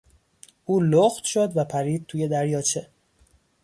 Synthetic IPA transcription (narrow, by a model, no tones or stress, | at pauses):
ʔuːloxt̪ʃod̪væpʰæɾiːd̪̚t̪ʰuːje̞d̪æɾjɒːt͡ʃʰe̞